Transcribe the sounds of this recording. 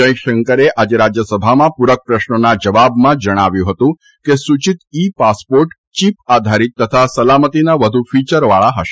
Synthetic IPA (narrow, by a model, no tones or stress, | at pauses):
d͡ʒə̃j̃ʃəŋkəɾeʔad͡ʒeɾad͡ʒjəsəbʱamãpuɾək̚pɾəʃnənad͡ʒəʋabmãd͡ʒəɽ̃aʋjũɦət̪ũ | kesut͡ʃit̪ipaspoɾʈ | t͡ʃipad̪ʱaɾit̪ːət̪ʰasəlamət̪inaʋəd̪ʱufit͡ʃəɾʋaɭaɦəʃe̥